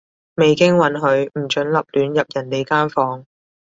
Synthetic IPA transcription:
me˨jkɪ˥ŋwɐ˨˧nɦɵ˨˧˥ɥm̩˨˩t͡ʃɵ˨˥nlɐ˨p̚lyː˨˧njɐ˨p̚jɐ˨˩nt̪e˨˧jkaː˥nfɔː˨˥ŋ

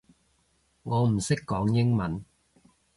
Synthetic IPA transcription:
ŋɔː˨˧m̩˨˩sɪ˥kːɔː˨˥ŋjɪ˥ŋmɐ˨˦n

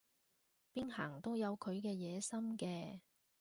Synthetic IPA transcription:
piː˥nha̰ː˨˩ŋt̪o˥wjɐ˨˧wkʰɵ˨˧ɥkɛː˧jɛː˨˧sɐ˥mkɛː˧

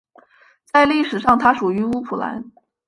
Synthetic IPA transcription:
t͡sa˥˧ɪli˥˩ʂɻ̩˨˩ʂɑ˥˩ŋt̪ʰa˥ʂu˨˩y˧˥u˥pʰu˨˩la̰˧˥n

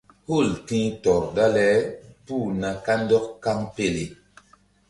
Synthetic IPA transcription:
hu˦˨ltĩ˦tɔ˨ɾda˦lɛ˦pu˦˨na˨ka˦ndɔ˦kka˦ŋpe˦le˨

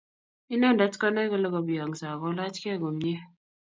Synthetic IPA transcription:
i˦nɔ˦˨n˨da˨˦tkɔ˦na˦kɔ˦lə˦ɡɔ˨ba˨ŋ˨sa˨kɔ˨˦la˦t͡ʃkɛ˦˨ɡɔ˨m˦ɲe˦

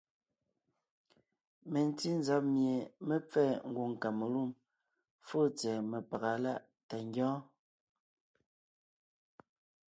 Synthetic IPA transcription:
me˨n˨˦ti˦n˦za˦p̚mje˨me˦p͡fɛː˦˨ŋ̩˨ɡu˨ŋ˨ka˨me˨lu˦˨m | fo˦t͡sɛː˨me˨pa˨ɣa˨la˦ʔ | ta˨ŋ˦ɡjɔ̃ː˦

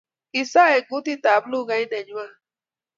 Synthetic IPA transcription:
i˨sa˦e˨ɡʊ˦ti˦ta˨blu˦ɡa˦i˦de˨ɲʊ˦a˦˨

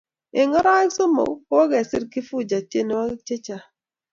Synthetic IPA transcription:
e˨ŋɔ˦ɾa˦i˦kso˦mo̰˨˦ko˦ɡɛ˨sɪ˦ɾki˦fu˦˨d͡ʒa˨te˦ne˨wa˦t͡ʃe˦t͡ʃa˨

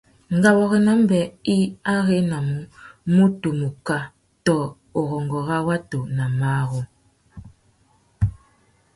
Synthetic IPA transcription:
ŋ˨ɡa˨wɔ˨ɣɛ˨na˨˦m̩˦bɛ˨i˦a˦ɣe˦na˨mu˨˦mu˦to˨mu˨ka˦ | tɔ˨ | o˨ɣɔ˨ŋɡɔ˨ɣa˦wa˦to˨na˨maː˦ɣɔ˦

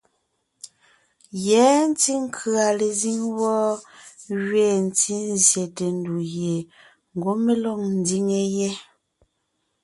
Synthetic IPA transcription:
jɛ˨˦n̩˦ti˦ŋ˦kʰɰa˨le˨zi˦ŋwɔ˦ | ɣɥeː˦˨n̩˦ti˦n˦zje˨te˨n˦du˨ɣje˨ | ŋ̩˨ɡo˦me˦lɔ˦˨ŋn̩˨˦di˦ŋe˦jɛ˦

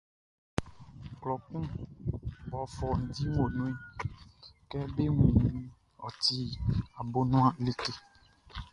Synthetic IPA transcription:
klɔ˨kũ˦ | bɔ˨fɔ˨n̩˨di˦ŋ˦o˨nũ˦ | kɛ˦be˦ŋĩ˨ñ˦ | ɔ˨t̪i˦a˨bo˦nũ˦a˦le˦ke˦

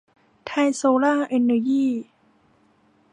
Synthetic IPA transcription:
t̪ʰa˧jsoː˧laː˥˩ʔe˧nːa˧jiː˥˩

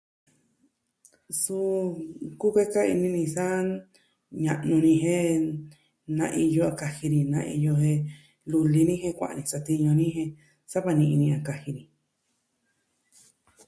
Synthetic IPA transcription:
su˧ku˦kʷe˦ka˦ḭ˧nĩ˧nĩ˧sa˦ | ɲã˧ʔnũ˧nĩ˧ɦẽ˦ | nã̰˧ʔi˧jo˧a˧ka˧hi˧nĩ˨nã˧ḭ˧jo˧hẽ˧ | lu˧li˧nĩ˦hẽ˧kʷã̰˨ʔa̰˧nĩ˧sa˧t̪i˧ɲõ˧nĩ˦ɦẽ˧ | sa˦βa˧nĩ˧ʔĩ˧nĩ˧a˧ka˧hi˧nĩ˧

